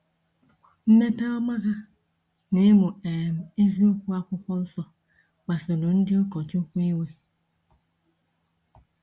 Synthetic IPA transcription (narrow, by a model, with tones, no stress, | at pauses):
m̩˦me˦ta˦ɔ˦ma˦ɣa˦ | ne˦mʊ˨e˨m̩˨i˦zi˦o˦kʷu˦a˦kʷʊ˦kɔ˦sɔ˦ | k͡pa˨so˨do˨n̩˦dɪ˦ʊ˦kɔ˨to˦kʷi˦we˦